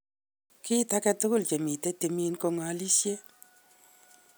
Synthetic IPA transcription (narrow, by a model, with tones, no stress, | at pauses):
kɪ˦ta˦kɛ˧tu˦kʊ˦lt͡ʃe˨mi˨te˦te˨mi˦nko˧ŋa˨˦li˦sje˦